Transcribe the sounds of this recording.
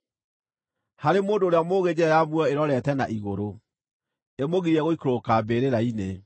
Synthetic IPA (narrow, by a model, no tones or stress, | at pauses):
haɾemoːndoːɾeamoːɣed͡ʑɛɾajamwɔeɾɔɾɛtɛna̰ʔiɣoɾo | emoɣiɾiɛɣoikoɾokabeɾeɾaine